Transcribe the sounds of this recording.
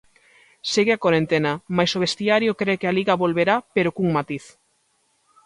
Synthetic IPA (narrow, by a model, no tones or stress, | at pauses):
seɣeakoɾent̪enɐmajsoβest̪iaɾjokɾekealiɣaβolβeɾapeɾokuŋmat̪iθ